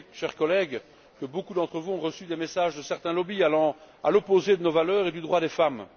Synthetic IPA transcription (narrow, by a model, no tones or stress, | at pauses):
ʃɛʁkɔlɛɡ | kəbokud̪ɑ̃t̪χəvuɔ̃ʁəsyd̪emesaʒd̪əsɛʁt̪ɛ̃lɔbialɑ̃a̰lɔpozed̪ənovalœːʁed̪yd̪ʁwad̪efam